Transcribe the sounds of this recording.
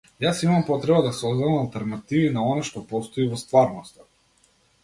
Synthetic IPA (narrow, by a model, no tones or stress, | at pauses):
jasimampɔt̪ɾɛbad̪asɔzd̪amalˠt̪ɛɾnat̪ivinaɔnaʃt̪ɔpɔst̪ɔivɔst̪vaɾnɔst̪ḁ